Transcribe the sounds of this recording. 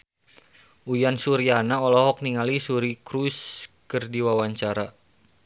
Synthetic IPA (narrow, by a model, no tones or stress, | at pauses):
ujansuɾianaɔlɔɦɔk̚niŋalisuɾikɾuskərdiwawaɲt͡ʃaɾa